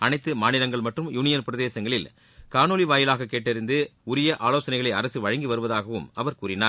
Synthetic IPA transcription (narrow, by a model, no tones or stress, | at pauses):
ɐnɐɪt̪ːɯmaːnɪɾɐŋɡɐɭmɐʈrɯmjuːnɪjɐnpɪɾɐðeːsɐŋɡɐɭɪl | kaːnoːliʋaːjɪlaːɣɐkːeːʈːɪɾɪnd̪ɯʊɾɪjɐʔaːloːsɐnɐɪɣɐɭɐɪɐɾɐsɯʋɐɻɐŋɡiʋɐɾɯʋɐðaːɣɐʋɯmɐʋɐɾkuːɾɪnaː